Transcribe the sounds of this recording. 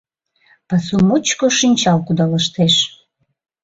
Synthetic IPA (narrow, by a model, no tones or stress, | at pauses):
pɑsumut͡ɕkoʃinʲt͡ɕɑlkud̪ɑləʃt̪eʃ